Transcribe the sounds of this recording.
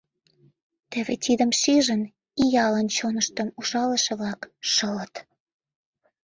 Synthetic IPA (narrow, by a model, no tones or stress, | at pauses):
t̪ĕβet̪id̪əmʃiʒən | ijɑlənt͡ɕonəʃt̪əmuʒɑləʃeβlɑkʃələt̪